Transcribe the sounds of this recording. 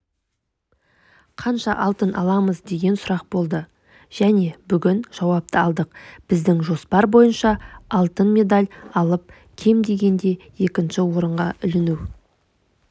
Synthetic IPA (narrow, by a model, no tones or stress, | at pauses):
qʰɑnʃɑʔɑlˠt̪ənʔɑ̰lˠɑməzd̪e̞ɡʲe̞nsʊɾɑq̚bo̞lˠd̪ə | ʒ̥æne̞bʏɡʲɪnʒ̥ɑwɑp̚t̪əɑlˠd̪əqb̥ɪzd̪ɪŋʒo̞spɑɾbo̞jənʃɑɑlˠt̪ənme̞d̪alʲɑlˠəp̚ | kʲʰe̞md̪e̞ɡʲe̞nd̪e̞je̞kʲɪnʃɪwo̞ɾəɴʁɑ̰ʔʏlɪnuw